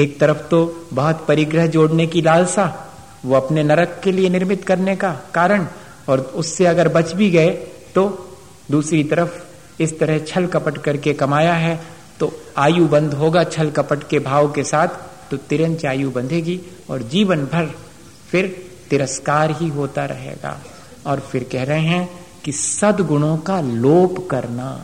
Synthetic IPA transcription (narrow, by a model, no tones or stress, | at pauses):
eːk̚t̪ɐɾəfʰt̪obɐɦʊt̪pɐɾɪɡɾəɦd͡ʒoːɽnekilaːlsa | ʋoɐpnenɐɾəkːelienɪɾmɪt̪kɐɾnekakaːɾəɽ̃ | ɔːɾʊsːeɐɡəɾbɐt͡ʃbʱiɡɐe | t̪o | d̪uːsɾit̪ɐɾəf | ɪst̪ɐɾəɦt͡ʃʰɐlkɐpəʈkɐɾkekɐmaːjaɦɛ | t̪oaːjubɐ̃nd̪ɦoːɡat͡ʃʰɐlkɐpəʈkebʱaːʋkesaːt̪ʰː | ot̪ɪɾə̃nt͡ʃaːjubɐ̃nd̪ʱeːɡi | ɔːɾd͡ʒiːʋənbʱɐɾ | fɪɾ | t̪ɪɾəskaːɾɦiɦoːt̪aɾɐ̰ɦḛːɡa̰ː | ɔːɾfɪɾkɛɦɾəɦeɦɛ̃ | kisɐd̪ɡʊɽ̃õkaloːpkɐɾna̰